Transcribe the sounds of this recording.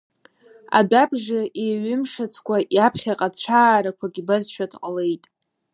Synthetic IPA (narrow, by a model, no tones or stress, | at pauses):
a̰dabʐɨʔeɥʏmʂat͡sʷʰkʷʰaʔjapʰχʲaqʼat͡ɕʷʰaːɾakʷʰaɡʲibazʃᶣadqʼale̞jtʼ